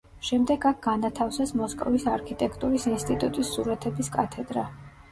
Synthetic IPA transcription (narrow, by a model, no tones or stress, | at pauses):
ʃɛmd̪ɛɡak̚ʰɡanat̪ʰafsasmɔskʼɔ̰visaɾkʰit̪ʼɛkʰt̪ʼuɾisinst̪ʼit̪ʼut̪ʼisːuɾat̪ʰɛbiskʼat̪ʰɛd̪ɾa